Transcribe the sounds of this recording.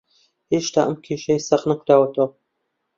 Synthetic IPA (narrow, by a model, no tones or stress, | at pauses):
heːʃt̪ʰaːʔəmkʰeːʃɐsɐqnɐkʷʰd̪aːwɐt̪ʰɐwɐ